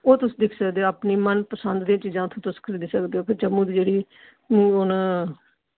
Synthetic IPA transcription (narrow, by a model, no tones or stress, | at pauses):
oːt̪ʊsiːd̪ɪkʰsəkd̪eːoapniːmənpəsənd̪d̪ĩjãːt͡ʃiːzãːt̪ʰõːt̪ʊskʰəɾiːd̪iːsəkd̪eːɦoːkpʰɪɾd͡ʒəmũːd̪id͡ʒeːɽiː | mũːʊna